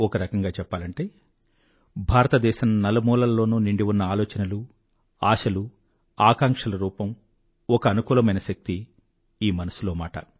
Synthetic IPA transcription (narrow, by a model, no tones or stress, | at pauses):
ɔkɐɾɐkɐŋɡaːt͡ʃɛpːaːlɐɳʈe̞ː | bʱaːɾɐt̪ɐd̪ɛːʃɐmnɐlɐmɔːlɐlːo̞ːnuːniɳɖiwunːɐaːlɔːt͡ʃɐnɐlu | aːʃɐlu | aːkaːŋkʂɐlɐɾuːpɐm | ɔkɐːnukuːlɐmɐjnɐʃɐk̚t̪i | iːmɐnɐsulo̞ːmaːʈɐ̰